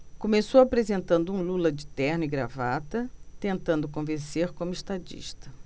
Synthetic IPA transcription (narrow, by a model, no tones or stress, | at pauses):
kõmesowapɾezẽnt̪ɐ̃nd̪ʊũlulɐd͡ʒɪt̪ɛɾnʊiɡɾavat̪ɐt̪ẽnt̪ɐ̃nd̪ʊk̬õvẽseɾkõmʊeʃt̪ad͡ʒḭʃt̪ɐ